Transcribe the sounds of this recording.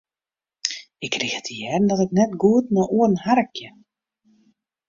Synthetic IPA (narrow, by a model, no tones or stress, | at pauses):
ɪkːrixətijɛːdn̩dɔtɪknɛtɡuətnɔʔuərnharəkjə